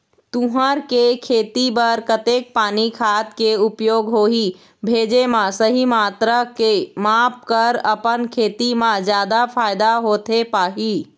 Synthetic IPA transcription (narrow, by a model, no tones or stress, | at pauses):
t̪ũɦəɾkekʰeːt̪ibəɾkət̪eːk̚paːnikʰaːt̪keʊpjoːɡɦoːɦi | bʱeːd͡ʒemãsəɦimaːt̪ɾəkemaːp̚kəɾəpənkʰeːt̪imãd͡ʒjaːd̪apʰaːɪd̪aɦoːt̪epaːɦiː